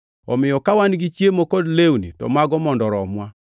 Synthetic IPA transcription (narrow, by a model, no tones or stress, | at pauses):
ɔ̰mɪjɔkawanɡit͡ʃjemokodlewnḭtɔ̰maɡɔmɔndɔɾɔmwa